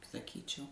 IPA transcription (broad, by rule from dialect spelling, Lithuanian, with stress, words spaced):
sɐˈkʲiːt͡ʃʲɛʊ